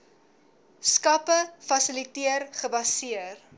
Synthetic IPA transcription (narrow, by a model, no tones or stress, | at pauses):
skɐpəfɐsəlitiərχəbɐsiər